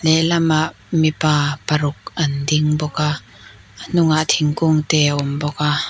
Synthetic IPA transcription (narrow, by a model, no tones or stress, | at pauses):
lɛlɐmaʔ | mipaːpɐɾʊk̚ʔɐndɪŋbɔka | n̥ʊŋaʔt̪ʰɪŋkʊŋt̪ɛʔɔmbɔka